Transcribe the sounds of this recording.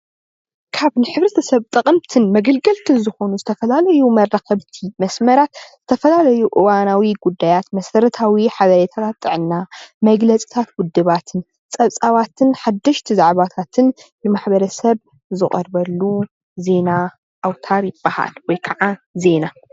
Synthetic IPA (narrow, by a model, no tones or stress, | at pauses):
kʰaβnɨħɨβɾɐt̪ʰɐsɐβt̪ʼɐkʼɨmt̪ʰɨnmɐɡɐlɡɐlt̪ʰɨnzɨxo̞nuzɨt̪ʰɐfɐlalɐjumɐrːaxɐβt̪ʰimɐsmɐɾat̪z̥ɨt̪ʰɐfɐlalɐjuʔɨwanawiɡud̪ːajat̪mɐsɐɾɐt̪ʰawiħaβɐɾet̪ʰat̪ʰat̪ʼːɨʕɨnːamɐɡlɐt͡sʼi̥t̪ʰat̪̚wʊd̪ːɨβat̪ʰɨn | t͡sʼɐβt͡sʼaβat̪ʰɨnħad̪ːɐʃt̪ʰizaʕβat̪ʰat̪ʰɨnbɨmaħbɐɾɐsɐβ | zɨχʼɐ̰ɾbɐlːu | ze̞na | ʔawt̪ʰaɾjɪbːaha̰lwɔjkʰɐʕaze̞na